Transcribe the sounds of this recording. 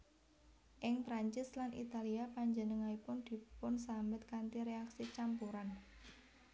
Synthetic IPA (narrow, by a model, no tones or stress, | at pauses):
ʔɪŋpɾaɲt͡ʃɪslanʔḭt̪aliapaɲd͡ʒənəŋaipʊnd̪̥i̤pʊnsambɪt̪̚kant̪iɾeaksit͡ʃampuɾan